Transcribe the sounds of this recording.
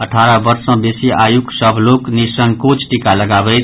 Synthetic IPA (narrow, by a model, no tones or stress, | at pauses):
ʌʈʰaɾʌbʌɾsʌ̃besiʔajuksʌbʱloknisʌŋkot͡sʈikalʌɡabʌjt̪